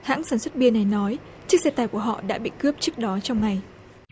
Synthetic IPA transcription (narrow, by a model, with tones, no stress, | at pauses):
ha̰ː˧˥ŋsaː˧˩nswə˦˥t̚ɓi˧əna˨˩jnɔ˨˦j | t͡ɕɨ˦˥ək̚sɛ˧t̪aː˧˩jku˧˩əɦɔ̰˧˨ɗa̰ː˧˥ɓḭ˧˨kɨ˦˥əp̚t͡ɕɨ˦˥ək̚ɗɔ˨˦t͡ɕɔ˧wŋ͡mŋa˨˩j